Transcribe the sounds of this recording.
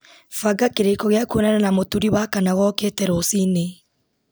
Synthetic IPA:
faɡakeɾekɔɣeakuonananamotuɾiwakanaɣɔketɛɾosine

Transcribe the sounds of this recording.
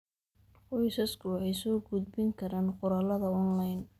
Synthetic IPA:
wɔjsɐskʰʊɛjsɔːɡʊd̪̚bɪŋkʰɐɾaːnqʊɾɐːlɐðɐɔnlajn

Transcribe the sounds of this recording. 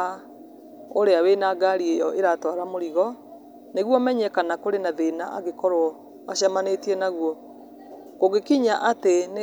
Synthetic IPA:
oɾeawenaɡaɾiejɔʔeɾatɔɾamoɾiɣɔ | neɣwɔmɛɲɛkanakoɾenaðenaʔa̰ɣekɔɾoɔ | aɕamanetiɛnaɣwɔ | koɣekiɲaʔaten

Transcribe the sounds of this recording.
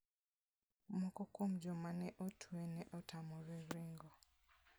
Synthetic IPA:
mɔkɔkomd͡ʒɔmanɛʔɔtʰuɛnɛʔɔtʰamɔɾɛɾiŋɡɔ

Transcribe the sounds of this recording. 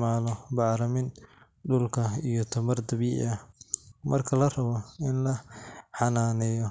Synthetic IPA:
maːlɔbɑʕɾɐmɪn | ɖʊlkʰɐijɔt̪ʰɐmɐrd̪ɐβiːʕɪ̰ɐmɐrkʰɐlɐrɐβɔɪnlɐħɑnaːnɛjɔ

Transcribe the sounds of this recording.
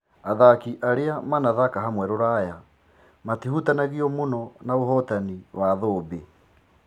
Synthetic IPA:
aðakiʔaɾeamanaðakaɦamwɛɾoɾaja | matihutanaɣiɔmonɔnaoɦɔtaniwaðoːbe

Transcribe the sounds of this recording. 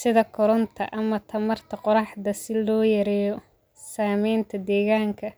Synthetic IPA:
sɪðɐkʰɔɾɔnt̪ʰɐʔɐmɐt̪ʰɐmɐrt̪ʰɐqɔɾɑħd̪ɐsɪlɔːjɐɾɛːjɔ | saːmɛjnt̪ʰɐd̪ɛːɣaːŋkʰɐ

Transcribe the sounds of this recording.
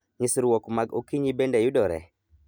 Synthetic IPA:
ɲɪsɾwɔkmaɡokiɲibendejʊdɔɾɛ̰

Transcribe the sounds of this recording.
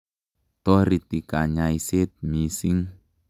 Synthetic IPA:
t̪ɔɾit̪ikaɲaiset̪̚misiŋ

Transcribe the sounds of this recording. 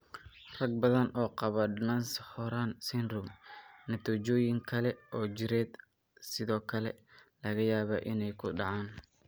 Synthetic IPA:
rɐɡ̚bɐðɐnɔːqɑβɐdnanshɔɾaːnsɪnrʊmnɐt̪ʰɔd͡ʒɔːjɪŋkʰɐlɛʔɔːt͡ʃɪɾɛːd̪ | sɪðɔːkʰɐlɛ̰lɐɣɐjaːβɐ̰ʔɪnɛjkʰʊɖɑʕaːn

